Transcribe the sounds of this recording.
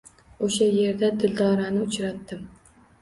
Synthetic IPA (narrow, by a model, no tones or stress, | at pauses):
oʃaje̞ɾd̪ad̪ɪld̪ɒɾanɪʊt͡ʃɾat̪ːɪm